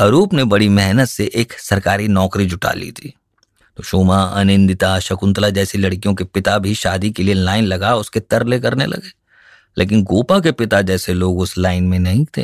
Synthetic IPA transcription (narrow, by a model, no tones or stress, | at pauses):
ɐɾuːpnebɐɽimɛɦnət̪seʔeːksɐɾkaːɾinɔːkɾid͡ʒʱʊʈa̰lḭt̪ʰi̥ː | t̪oːʃoːmaɐ̰nɪ̃nd̪ɪt̪aʃɐkʊ̃nt̪lad͡ʒɛːsilɐɽkijõkepɪt̪abʱiʃaːd̪ikelielaːɪnlɐɡaʊsket̪ɐɾlekɐɾnḛlɐ̰ɡeː | lʔḛːk̬ɪnɡoːpak̬epɪt̪ad͡ʒɛːseloːɡʊslaːɪnmẽnɐɦĩt̪ʰḛː